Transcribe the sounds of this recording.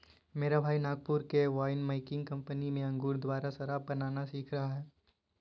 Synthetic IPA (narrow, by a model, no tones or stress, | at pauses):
meːɾabʱaːinaːɡ̚pʊɾkeʋaːɪnmaɪkɪ̃ŋɡkɐ̃mpənimẽɐ̃ŋɡuːɾd̪waːɾasɐɾabɐnaːnasiːkʰɾɐɦaɦɛː